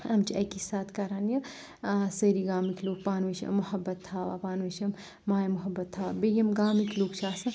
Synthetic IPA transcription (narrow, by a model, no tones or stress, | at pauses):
ɐmt͡ʃʰiɐkisaːt̪ʰkɐɾaːnjɐ | səɾiɡaːmikʰloːk̚paːnʋiʃɐ̰mːuhɐbːɐt̪ʰːaːʋa̰ːpaːnʋiʃɐm | maːjmuɦɐbːɐt̪ʰːaːʋa̰bejɐmɡaːmikloːkt͡ʃʰaːsɐ̃